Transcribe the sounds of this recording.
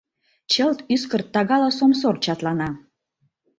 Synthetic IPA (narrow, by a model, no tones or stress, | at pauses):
t͡ɕəlt̪yskərt̪ːɑɣɑlɑsomsort͡ɕɑt̪lɑnɑ